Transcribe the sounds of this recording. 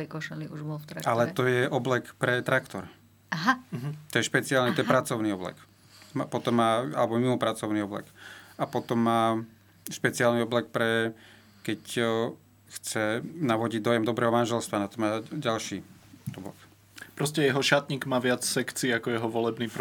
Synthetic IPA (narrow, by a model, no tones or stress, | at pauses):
ɛkɔʃɛliuʒbɔlft̪ɾalɛt̪ɔjɛʔɔblɛkpɾɛt̪ɾakt̪ɔɾ | aɦaɦ̩t̪ɔjɛʃpɛt͡siaːlnit̪ɔjɛpɾat͡sɔʊniɔblɛ̰k | mapɔt̪ɔmːaːa̰lɛbɔmimɔpɾat͡sɔʊniɔblɛ̰kapɔt̪ɔmːaː | ʃpɛt͡siaːlniɔblɛkpɾɛ | kɛc | xt͡sɛnaʋɔɟiɟ̚d̪ɔjɛmd̪ɔbɾɛːɦɔmanʒɛlst̪ʋanat̪ɔmaːɟalʃiːɔblɛ̰k | pɾɔscɛjɛɦɔʃat̪ɲiːɡmaːʋɪat͡ssɛkt͡siːakɔjɛɦɔʋɔlɛbniːp